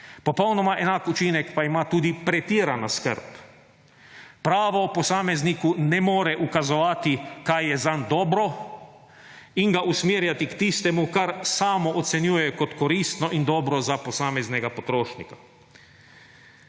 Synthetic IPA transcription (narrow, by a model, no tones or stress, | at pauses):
pɔpɔwnɔmaʔɛnaːkut͡ʃinɛkpaimat̪uːd̪ipɾɛt̪iːɾanaskə̰ɾp | pɾaːʋɔːpɔsaːmɛznikunɛmɔːɾɛʔukazɔʋaːt̪ikajjɛzand̪ɔːbɾɔ | iŋɡaʔusmiːɾjat̪ikt̪iːst̪ɛmukaɾsaːmɔɔt̪sɛnjuːjɛkɔt̪kɔɾiːst̪nɔʔind̪ɔːbɾɔzapɔsaːmɛznɛɡapɔt̪ɾoːʃnḭka